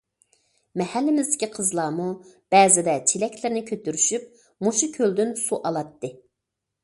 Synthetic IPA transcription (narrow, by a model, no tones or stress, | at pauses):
mɛhælːɪmɪzd̪ɪkʲʰiqʰəzlˠɑːmub̥ɛːzɪd̪ɛt͡ʃʰelɛkʲlɪɾnɪkʲʰøt̪yɾyʃyp̚ | moʃukʲʰøld̪ynsuʔɑlˠɑt̪ːɨ